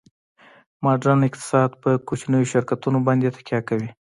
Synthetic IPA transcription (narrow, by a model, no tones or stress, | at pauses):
mɑɖɾanɪqt̪ɪ̥sɑd̪pəkot͡ʃnəjoʃɪɾkat̪unobɑnd̪et̪ḁkjɑkawi